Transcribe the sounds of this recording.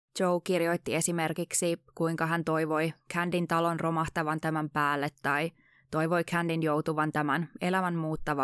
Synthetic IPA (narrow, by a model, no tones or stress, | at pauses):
t͡ʃowkirjo̞jt̪ːie̞sime̞rkiksikuiŋkɑɦænt̪o̞jʋo̞jkʰændint̪ɑlo̞nro̞mɑht̪ɑʋɑnt̪æmæmpæːlːet̪ːɑj | t̪o̞jʋo̞jkʰændinjo̞wt̪uʋɑnt̪æmæne̞læmænmuːt̪ːɑʋɑ